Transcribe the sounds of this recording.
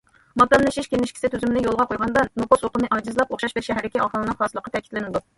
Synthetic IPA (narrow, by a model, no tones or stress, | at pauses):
mɑd̪ɑmlɨʃiʃkʲenɪʃkʲʰi̥sɪt̪ʰyzymɪnɪjolˠʁɑqojʁɑnd̪ɑnnoposoqənɨʔɑd͡ʒɨzlˠɑpoχʃɑʃbɪɾʃɛɦæɾɪkʲiʔɑχəlˠɨnɨŋχɑːsɨlˠəqʰːɑt̪ʰɛkʲi̥t̪lɪnɪd̪u